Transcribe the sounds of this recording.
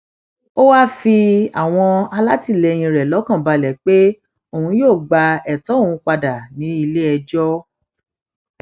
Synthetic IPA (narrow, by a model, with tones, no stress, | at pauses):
o˦wa˦fi˧a̰˦˨w̃ɔ̃˧a˧la˦ti˦˨lɛ˨˧j̃ĩ˧ɾɛ˨lɔ˨˦kã˦˨ba˧lɛ˨k͡pe˦ | o˨hũ˧joː˦˨ɡ͡ba˧ɛ˨tɔ˨˦o˦˨wũ˧k͡pa˧da˨nĩ˨˦i˧le˦ɛ˧d͡ʒɔ˦